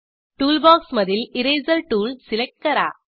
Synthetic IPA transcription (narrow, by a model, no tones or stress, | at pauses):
ʈuːlbaːksmɐðɪlɪɾeːzɐlʈuːlsɪlɐk̚ʈ̚kɐɾa̰ː